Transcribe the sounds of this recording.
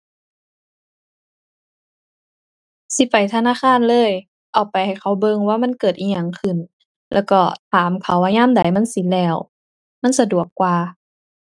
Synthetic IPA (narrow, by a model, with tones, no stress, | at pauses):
si˧˦pa˨jt̪ʰa˧naː˧˥˨xʰaː˧˥˨nlɤː˧˥˨j | ʔɔː˨˩k̚pa˨˩jha˨˩jkʰa˧˩wbɤ˧˨ŋwaː˧˨ma˧˥˨nkɤː˨˩t̪̚ʔiː˧˨ɲa˧˩ŋkʰɯ˧˩n | lɛ̰ː˧˩wkɔ˧˩t̪ʰaː˨˦mkʰa˧˦wʔaː˧ɲaː˧˥˨mda˨˦jma˧˥˨nsi˧˦lɛː˧˩w | ma˧˥˨nsa˧du˨˩əkːwaː˧˩